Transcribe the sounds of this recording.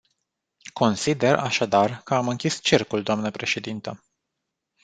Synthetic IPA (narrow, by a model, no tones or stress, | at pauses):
ko̞nsid̪e̞ra̰ʃad̪arkəamɨŋkʲist͡ʃirkuld̪oamnəpɾe̞ʃe̞d̪int̪ə